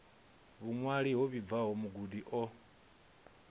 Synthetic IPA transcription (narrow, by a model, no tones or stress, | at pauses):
βuŋwaɺiɦɔβivaɦɔmuɡudiʔɔ